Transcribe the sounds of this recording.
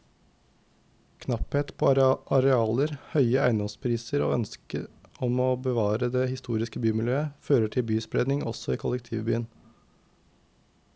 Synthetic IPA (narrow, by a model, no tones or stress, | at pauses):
kʰnɑpheːt̪pʰoːʔɑɾɛɑːləɾhœʏəæɪnd̪ɔmspʰɾiːsəɾo̰ːœnskəɔmoːbəʋɑːɾəd̪eːhɪst̪uːɾɪskəbyːmɪljøːəføːɾəʈʰɪlbyːspɾeːd̪nɪŋɔsɔiːkʰʊlək̚t̪ʰḭːʋby̰ːən